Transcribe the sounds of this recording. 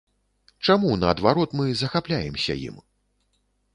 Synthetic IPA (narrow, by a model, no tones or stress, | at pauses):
t͡ʂamunɐːd̪vaɾɔt̪mɨzɐxaplʲajɛmsʲɐ̰jḭm